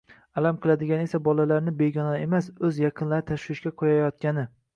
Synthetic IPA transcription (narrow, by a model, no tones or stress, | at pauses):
alamqʰɨlˠad̪ɪɡʲanɪe̞sabɒlalaɾnɪbeɡʲɒnaemasɵzjɑqʰɨnlaɾɪt̪ʰaʃwɪʃkʲaqʰojajɒt̪̚kʲanɪ